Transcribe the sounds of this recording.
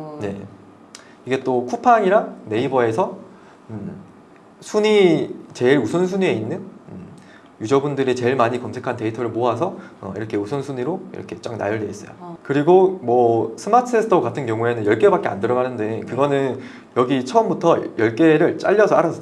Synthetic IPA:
ne̞̰ | iɡe̞t͈okʰupʰaɲiɾane̞ibʌe̞sʰʌ | sʰuɲit͡ɕe̞iɾusʰʌnsʰuɲie̞inːɯnɯ | jud͡ʑʌbundɯɾit͡ɕe̞ɭmaɲikʌmsʰe̞kʰante̞itʰʌɾɯɭmoɦasʰʌʌ̰ḭɾʌkʰeusʰʌnsʰuɲiɾoḭɾʌ̰kʰe̞t͡ɕ͈akna̰jʌɭdeis͈ʌjo̰kɯɾiɡomʌsʰɯmatʰɯesʰɯtʰʌkatʰɯnkjʌŋue̞nɯnjʌɭk͈ebak͈̚ea̰ndɯɾʌɣanɯnde̞kɯɡʌnɯn | jʌɡit͡ɕʰʌʌmbutʰʌjʌɭk͈e̞ɾɯɭt͡ɕ͈a̰ʎːʌsʰʌaɾasʰʌ

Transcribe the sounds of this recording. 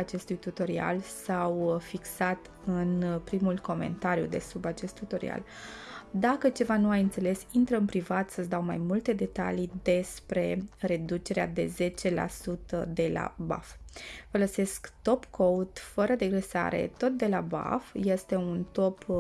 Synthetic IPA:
at͡ʃe̞st̪ujt̪ut̪o̞ɾia̰lsawfiksat̪ | ɨnpɾimulko̞me̞̰nt̪aɾjṵd̪e̞̰subat͡ʃe̞st̪ːut̪o̞ɾḭa̰l | d̪akət͡ʃe̞vanuajɨnt̪se̞le̞sint̪ɾəɨnpɾivat̪səsd̪awmajmult̪e̞d̪e̞t̪a̰lid̪e̞spɾe̞ɾe̞d̪ut͡ʃe̞ɾead̪e̞ze̞t͡ʃe̞la̰sut̪əd̪e̞la̰ba̰ffələse̞skt̪o̞pkʰowt̪fəɾəd̪e̞ɡɾesa̰ɾe̞̰t̪o̞t̪̚d̪e̞laba̰fje̞st̪e̞unt̪o̞p

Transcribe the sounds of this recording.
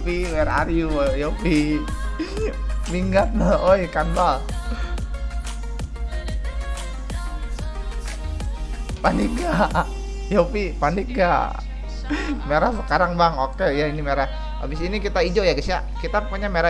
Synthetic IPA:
piwɛɾa̰rjujopi | miŋɡat̪̚naojkanbal | panɪk̚ŋɡa | jopipanik̚ɡa̰ | meɾahsəkaɾaŋbaŋokejainimeɾah | a̰bisinikit̪aid͡ʒojaɡisa̰ | kit̪apuɲameɾa

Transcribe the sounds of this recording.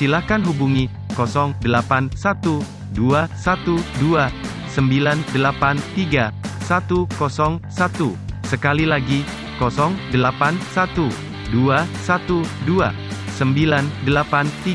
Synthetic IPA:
silahkanɦubuŋi | kɔsɔŋdəlapansat̪u | duasat̪udua | səmbilandəlapant̪iɡasat̪ukɔsɔŋsat̪usəkalilaɡi | kɔsɔŋdəlapansat̪u | duasat̪udua | səmbilandəlapant̪i

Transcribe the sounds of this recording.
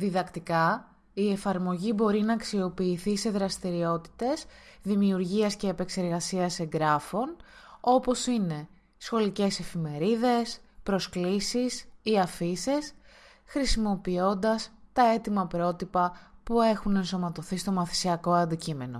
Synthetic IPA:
ðiðɐkt̪ikɐ | ie̞fɐɾmo̞ʝibo̞ɾinɐːksio̞piːθise̞ðɾɐst̪iɾio̞t̪i̥t̪e̞zðimiuɾʝiɐsce̞ːpe̞kse̞ɾɣɐsiɐse̞ŋɡɾɐfo̞no̞po̞sine̞ | sxo̞lice̞se̞fime̞ɾiðe̞spɾo̞sklisisiɐfises | xɾisimo̞pio̞nd̪ɐst̪ɐe̞t̪imɐpɾo̞t̪ipɐpue̞xune̞nso̞mɐt̪o̞θist̪o̞mɐθi̥siɐko̞ɐnd̪icime̞no̞̰

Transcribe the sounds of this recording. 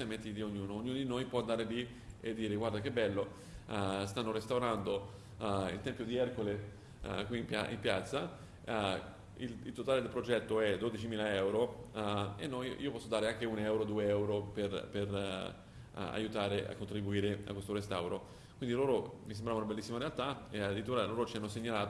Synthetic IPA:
ament̪ːit̪ioɲːuːnoːɲːuːnod̪inojpwɔand̪aːɾeli | ed̪ːiːɾeɡward̪ak̟ebːɛlːo | st̪anːoɾest̪awɾand̪o | ḭlt̪ɛmpjod̪iɛrkole | kwimpa̰ʔḭmpjat̪sːa | ililt̪ot̪aːled̪elpɾod͡ʒɛt̪ːoɛd̪od̪it͡ʃimiːlaɛwɾo | enːɔjḭːopɔsːod̪aːɾeaŋk̟eunɛwɾod̪uːeɛwɾoperper | a̰jut̪aːɾea̰kːont̪ɾibuiːɾea̰kːwest̪oɾest̪awɾo | kwind̪iloːɾomis̬embɾavaunabelːisːimaɾealt̪aead̪ɾit̪uːɾaloːɾot͡ʃianːoseɲːalaːt̪

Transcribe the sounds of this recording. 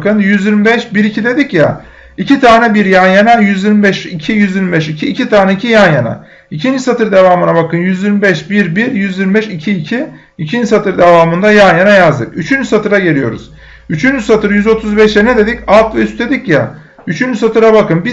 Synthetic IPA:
kɯnjyziɾmbɛʃbiɾicʰid̪e̞d̪icja̰ | icʰit̪ʰaːnɛbiɾjanjanajyziɾmbɛʃicʰijyziɾmbɛʃicʰiːcʰit̪ʰaːnɛicʰijanjana̰ | icʰind͡ʒisat̪ʰɯɾd̪e̞vaːmɯnabakɯnjyzjiɾmibɛʃbiɾbiɾjyzjiɾmbɛʃicʰiːcʰi | icʰind͡ʒisat̪ʰɯɾd̪e̞vaːmɯnd̪ajanjanajazd̪ɯkyt͡ʃʰynd͡ʒysat̪ʰɯɾaɟe̞ɾijo̞̰ɾṵz̥ | yt͡ʃʰynd͡ʒysat̪ɯɾjyzo̞t̪ʰuzbɛʃɛnɛd̪e̞d̪icalˠt̪vɛyst̪e̞d̪icjɛ̰ | yt͡ʃʰynd͡ʒysat̪ʰɯɾabakɯnbi

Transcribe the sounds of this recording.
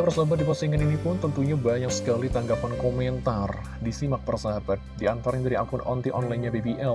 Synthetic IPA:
bərsabat̪̚dipasiŋəninipʊnt̪ənt̪uɲabajaŋsə̥kalit̪aŋɡapankomɛnt̪ar | disimak̚pərsabat̪̚diant̪aɾɲadaɾiakʊnʔɔnt̪iʔɔnlajɲabebiʔɛl

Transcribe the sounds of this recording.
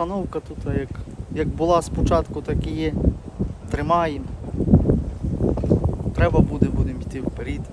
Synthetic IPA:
ɐnɔwkɐt̪ut̪ɐjɐkjɐkbʊlˠɑspɔt͡ʃɑt̪kʊt̪ɐkʲijɛ | t̪ɾɪmɑjem | t̪ɾɛbɐbud̪ɛbud̪ɪmit̪ɪwpeɾʲit̪ʲ

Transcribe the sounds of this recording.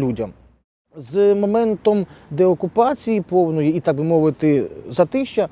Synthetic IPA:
lʲudʲɐm | zmɔmɛnt̪ɔmd̪ɛɔkʊpɑt͡sʲijipɔwnɔjiit̪aɡ̚bɪmɔʋɪt̪ɪzɐt̪ɪʃt͡ʃɐ

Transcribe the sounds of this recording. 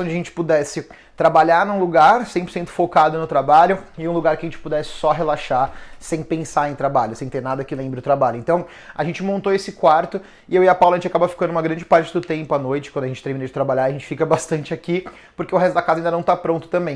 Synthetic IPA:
ɐ̃d͡ʒɪɐʒẽt͡ʃɪ̥pud̪ɛsɪ | t̪ɾabaʎaɾnũluɡaɾsẽpɾoɾsẽnt̪ʊ̥fokad̪ʊnʊt̪ɾabaʎʊɪũluɡaɾkɪɐʒẽt͡ʃɪ̥pud̪ɛsɪ̥sɔɦelaʃasẽj̃pẽsaẽj̃t̪ɾabaʎʊsẽj̃t̪eɾnad̪ɐkɪlẽmbɾɪʊt̪ɾabaʎʊẽnt̪ɐ̃w̃ | aʒẽnt͡ʃɪmõnt̪oesɪkwaɾt̪ʊ | ɪewiɐpawlɐʒẽt͡ʃakabɐfi̥kɐ̃nd̪ʊũmɐɡɾɐ̃nd͡ʒɪpaɾt͡ʃɪd̪ʊt̪ẽmpʊanojt͡ʃɪkwɐ̃nd̪ʊɐẽnt͡ʃɪt̪eɾminod͡ʒɪt̪ɾabaʎaɾɐʒẽnt͡ʃɪ̥fikɐbast̪ɐ̃nt͡ʃɪaki | pʊɾkeʊɦɛst̪ʊd̪ɐkazaɐĩd̪ɐnɐ̃w̃t̪apɾõnt̪ʊ̥t̪ɐ̃mbẽj̃

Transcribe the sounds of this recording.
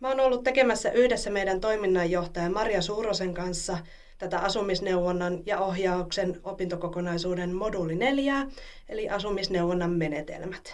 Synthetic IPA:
mæoːnolːut̪t̪ekemæsːæʔyhdesːæmeidænt̪o̞iminːɑjːoht̪ɑjɑmɑrjɑsuːroseŋkɑnsːɑ | t̪æt̪æʔɑsumisneuʋonːɑnjɑoɦjɑuksenopint̪okokonɑisuːdenmodulːine̞ljæː | eliʔɑsumisnewʋonːɑmme̞net̪ḛlmæt̪

